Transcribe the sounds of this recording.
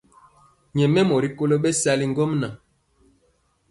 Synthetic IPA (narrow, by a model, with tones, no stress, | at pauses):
ɲɛ˨mɛ˦mɔ˨ɾi˦ko˦lo˦ɓɛ˦sa˦li˦ŋ˦ɡɔ˦mna˨